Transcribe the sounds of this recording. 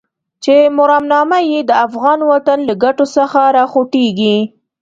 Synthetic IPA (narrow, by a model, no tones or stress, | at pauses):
t͡ʃemʊɾamnɑmajed̪əafɣɑnwat̪anlaɡaʈosəxaɾɑxoʈeɡi